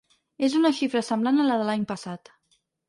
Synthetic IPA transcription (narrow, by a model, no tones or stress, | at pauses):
ezunəʃifɾəsəmblanələðəlaɲpəsat̪